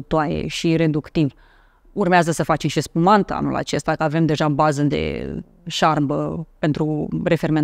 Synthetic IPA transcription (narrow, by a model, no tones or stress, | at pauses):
t̪oaɾḛʃiɾend̪ukt̪iv | urmeazəsəfat͡ʃemʃespumant̪a̰nula̰t͡ʃe̞st̪akəave̞md̪e̞ʒabazəd̪ḛ | ʃarbəpe̞nt̪ɾure̞fe̞ɾmen